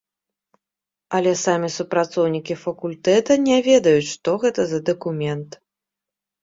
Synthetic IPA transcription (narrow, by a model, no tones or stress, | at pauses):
ɐlʲɛsamʲisupɾat̪sɔwnʲikʲifɐkulʲt̪ɛt̪ɐnʲɛvʲɛd̪ɐjut͡sʲʂt̪ɔɣɛt̪ɐzɐd̪ɐkumʲɛnt̪